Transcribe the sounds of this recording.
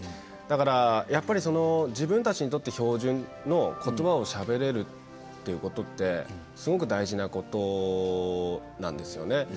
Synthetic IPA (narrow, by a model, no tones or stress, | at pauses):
d̪̥akaɾajapːaɾʲiso̞no̞d͡ʑibɯ̟̃nt̪at͡ɕiɲ̟it̪o̞t̪ːe̞ço̞ːʑɨ̃nː | o̞kʰo̞t̪o̞bao̞ɕabe̞ɾe̞ɾɯ̟t̪ː | e̞jɯ̟ko̞t̪o̞t̪ːe̞ | sɨɡo̞k̬ɯ̟d̪aiʑinako̞t̪o̞ | nãnd̪e̞sɨjo̞̰ne̞